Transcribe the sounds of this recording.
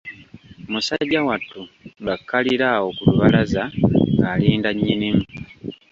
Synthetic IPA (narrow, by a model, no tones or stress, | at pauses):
omusaɟːawatːuŋɡakʰːaliɾaokuluβalazaŋɡaːliːndaɲːinimu